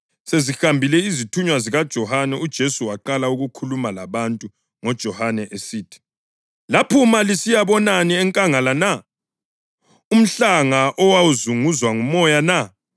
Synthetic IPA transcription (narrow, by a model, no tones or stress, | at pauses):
sezixambʱilɛizitʰuɲwaziɣad̥ʒ̥ʱɔhanɛud̥ʒ̥ʱesuwaǃalauɣukʰulumalaβantʼu | ŋɔd̥ʒ̥ʱɔhanɛʔesiːtʰi̥ | lapʰumalisijaβɔnaniɛŋkʼaŋalana | um̩ɬaŋaʔɔwawuzuŋuzwaŋumɔjana